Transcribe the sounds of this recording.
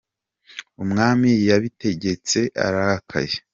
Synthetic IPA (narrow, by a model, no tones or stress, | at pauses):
umŋaːmijaβite̞ɟe̞t͡se̞ʔa̰ɾahakʰa̰je